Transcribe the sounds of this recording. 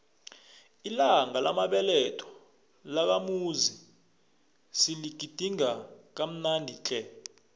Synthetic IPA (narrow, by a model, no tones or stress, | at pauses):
ilaŋalʔa̰maɓɛlɛtʰɔ̥ | lak̬amuzi | siliɡ̥ʱid̥ʱiŋak̬am̩nandʱit͡ɬʰʼɛ